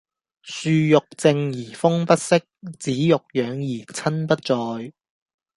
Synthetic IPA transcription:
syː˧jʊ˨k̚t͡sɪ˧ŋjiː˨˩fʊ˥ŋpɐ˥t̚sɪ˥k̚t͡siː˨˥jʊ˨k̚jœː˨˧ŋjiː˨˩t͡sʰɐ˥npɐ˥t̚t͡sɔː˧j

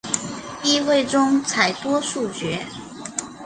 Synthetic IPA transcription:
i˥˧xwe˥˩ɪʈ͡ʂʊ˥ŋt͡sʰa˨˩ɪt̪wɔ˥ʂu˥˩t͡ɕɥɛ˧˥

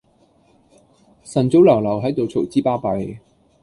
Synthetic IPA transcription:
sɐ˨˩nt͡so˨˥wlɐ˨˩wlɐ˨˩wɦɐ˨˥jt̪o˨wt͡sʰo˨˩wt͡siː˥paː˥pɐ˨˩j

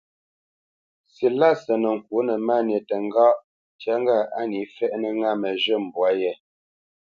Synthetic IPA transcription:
si˨la˦˨sə˨nə˨ŋ̩˨kwu˨˦nə˨ma˦˨n˨e˨tə˨ŋ˦ɡa˦ʔ | tja˦ŋ˦ɡa˦˨a˦ni˨˦fɛ˦ʔnə˦ŋa˦˨mə˨ʒə˦˨m̩˨bwa˨˦jɛ˨

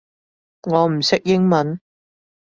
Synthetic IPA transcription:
ŋɔː˨˧m̩˨˩sɪ˥k̚jɪ˥ŋmɐ˨˥n

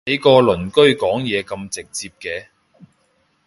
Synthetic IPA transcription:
ɐ˨˥jkɔː˧lɵ˨˩nkɵ˥ɥkɔː˨˥ŋjɛː˨˧kɐ˧mt͡sɪ˨k̚t͡siː˧p̚kɛː˧

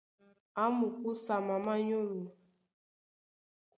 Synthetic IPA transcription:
a˦mʊ˨ku˦sa˨ma˨ma˦ɲo˦ɾu˨

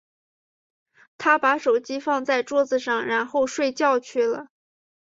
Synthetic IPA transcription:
t̪ʰa˥pa˧˥ʂo˨˩ʊt͡ɕi˥fɑ˥˧ŋt͡sa˥˧ɪʈ͡ʂwɔ˥d͡z̩˨˧ʂɑ˥˩ŋɻa˧˥nxo˥˧ʊʂwe˥˧ɪt͡ɕjɑ˥˧ʊt͡ɕʰy˥˩lə̰˩

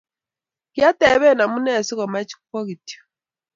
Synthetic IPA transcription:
ja˦tɛ˨˦βɛ˦˨na˨mu˦nɛ˦˨si˦ɣɔ˨ma˦t͡ʃi̥˦kkɔ˦ɣi˨tjɔ̥˨

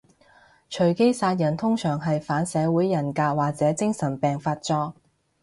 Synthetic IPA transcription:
t͡ʃʰɵ˨˩ɥke˥jsaː˧t̚jɐ˨˩nt̪ʰʊ˥ŋsœː˨˩ŋɦɐ˨jfaː˨˥nsɛː˨˧wuː˨˥jːɐ˨˩nkaː˧k̚waː˨k̚t͡sɛː˨˥t͡sɪ˥ŋsɐ˨˩npɛː˨ŋfaː˧t̚t͡sɔː˧k̚

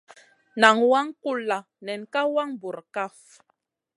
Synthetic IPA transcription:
na˨ŋwa˦ŋku˦˨lːa˨ | nɛ˨nka˦wa˦ŋbu˨ɾka˦f

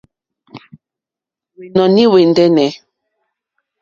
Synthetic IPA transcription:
we˨nɔ˨ni˦we˨ndɛ˦nɛ˨˦

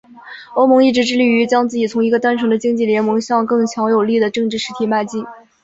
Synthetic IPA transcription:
o˥ʊmɤ˧˥ŋi˥˩ʈ͡ʂɻ̩˧˥ʈ͡ʂɻ̩˥˩li˥˩y˧˥t͡ɕjɑ˥ŋt͡sɹ̩˥˩t͡ɕi˨˩t͡sʰʊ˧˥ŋi˧˥ɡə˧t̪a˥nʈ͡ʂʰɤ˧˥ŋd̪ə˧t͡ɕi˥ŋt͡ɕi˥˩ljɛ˧˥nmɤ˧˥ŋɕjɑ˥˧ŋkɤ˥˩ŋt͡ɕʰjɑ˧˥ŋjo˨˩ʊli˥˩d̪ə˩ʈ͡ʂɤ˥˧ŋʈ͡ʂɻ̩˥˩ʂɻ̩˧˥t̪ʰi˧˥˩ma˥˧t͡ɕi˥˩n

